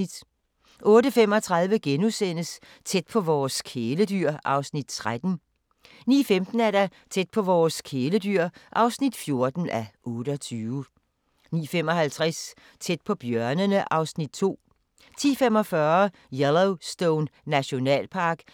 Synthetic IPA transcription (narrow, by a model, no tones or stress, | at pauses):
id̥ | ʔɔ̽ːɾəfem̰ɒ̽t͡sʰʁɑ̈ðˠʋəɡ̥enusen̰əs | t͡sʰed̥̚pʰɒ̽ʋɒːskʰeːləd̥yɐ̰ʔɑ̈ʊsnid̥t͡sʰʁad̥n̩ | nḭːfemd̥n̩æɐdæ | t͡sʰed̥̚pʰɒ̽ʋɒːskʰeːlədyɐ̰ʔɑ̈ʊsnid̥fjo̝ɐd̥n̩ʔæʔɔ̽ːɾəɒt͡sʰyːʋə | nḭːfem̰ɒ̽hælt͡sʰʁɛs | t͡sʰed̥̚pʰɒ̽b̥jɶɐnənəʔɑ̈ʊsnid̥̚t͡sʰo̝̰ː | t͡sʰḭːfem̰ɒ̽fɶːɐ | jeloʊsd̥oʊnːæɕo̝nɛ̰ːlpʰɑ̈ːɡ̥